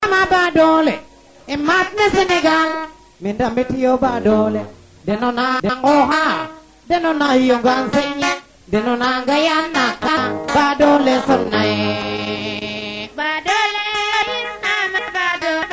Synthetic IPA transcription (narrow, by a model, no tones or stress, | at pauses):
mabadole | ɪmat̪̚nesɪnɪɡal | mindamɪtɪobadole | denɔnadaŋɡɔɦaɾ | dɛnɔnahijoŋɡansɪɲi | denɔnaŋɡajannːakabadolesɔna | badoledinamebado